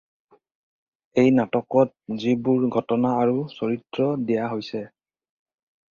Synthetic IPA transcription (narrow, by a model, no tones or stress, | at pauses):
ejnatɔkɔt̚zibuɹɡʱɔtɔnaːɹusoɹitɹɔdijaɦojsɛ